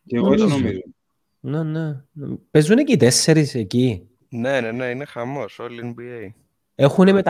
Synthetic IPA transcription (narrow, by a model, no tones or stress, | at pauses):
eonomizo | nenḛpezunecit̪e̞sːe̞ɾiseci | ne̞neneinexɐmo̞solienbiej | e̞xunemet̪